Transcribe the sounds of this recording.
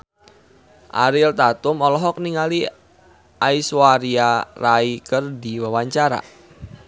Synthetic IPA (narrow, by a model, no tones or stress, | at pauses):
ʔa̰ɾɪlt̪at̪ʊmɔlɔɦɔk̚niŋali | ʔaiswaɾiaraikərdiwawaɲt͡ʃaɾa̰